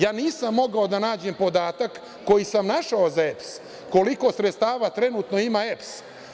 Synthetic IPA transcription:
jaːniːsamːo̞ɡao̞d̪anaːd͡ʑe̞mpo̞d̪aːt̪akː | o̞jisamnaʃaozaeps | ko̞liko̞sɾet̪st̪aːʋat̪ɾe̞nut̪no̞imaeps

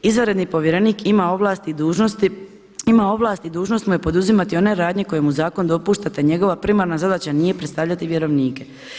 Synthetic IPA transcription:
izʋaɾe̞d̪nipo̞ʋjeɾe̞niːkʰimao̞ʋlaːst̪iuːʒost̪ | imao̞ʋlˠaːst̪id̪uːʒno̞st̪mujepo̞d̪uzimat̪io̞ne̞ɾaːd̪ɲe̞ko̞je̞muzaːko̞nd̪o̞puʃt̪at̪eɲe̞ɡo̞ʋapɾimaɾnazad̪at͡ɕanije̞pɾet̪st̪aʋʎat̪iʋje̞ɾo̞ʋniːke̞

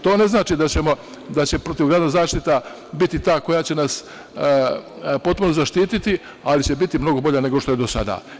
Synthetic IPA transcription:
t̪o̞ːne̞znaːt͡ʃid̪at͡ɕe̞mo̞ | d̪at͡ɕe̞pɾo̞t̪iʋɡɾaːd̪azaːʃt̪it̪a | bit̪it̪aːko̞jat͡ɕe̞nas | po̞t̪̚puno̞zaʃt̪iːt̪it̪i | alit͡ɕe̞bit̪imno̞ɡo̞bo̞ʎane̞ɡo̞ʃt̪o̞jed̪osa̰d̪a̰ː

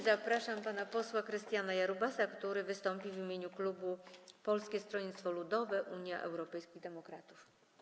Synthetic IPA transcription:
zapɾaʂampanapɔswakɾɘst̪ʲjanajaɾubasakt̪uɾɘvɘst̪ɔmpʲivʲimʲjeɲuklubupɔlskʲɛst̪ɾɔɲit̪st̪fɔlud̪ɔvɛʔuɲjaʔɛ̰wɾɔpɛjskʲid̪ɛmɔkɾat̪uf

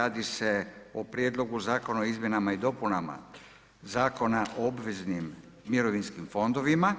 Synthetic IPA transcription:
aːd̪ise̞opɾjed̪lˠo̞ɡuzaːko̞naoizmje̞namaid̪o̞punama̰ | zaːko̞naʔoobʋeznimː | iɾo̞ʋinskimfo̞nd̪o̞ʋima

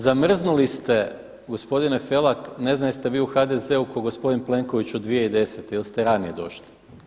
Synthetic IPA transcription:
zamr̩znulist̪e̞ | ɡospo̞d̪ine̞fe̞lˠakne̞znalist̪e̞ʋiːuxad̪e̞ze̞ukoɡo̞spo̞d̪inple̞ŋko̞ʋit͡ɕud̪ʋijeid̪e̞set̪ejelst̪eɾanije̞d̪o̞̰ʃli̥

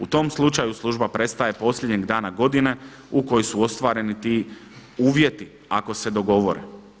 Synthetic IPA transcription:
ut̪o̞mslˠut͡ʃajuslˠuʒbapɾe̞t̪st̪aje̞po̞sʎʲed̪ɲeɡd̪aːnaɡo̞d̪ine̞ | uko̞josuo̞st̪ʋaːɾe̞nit̪iː | uːʋje̞t̪i | ako̞se̞d̪o̞ɡo̞ʋo̞ɾḛ

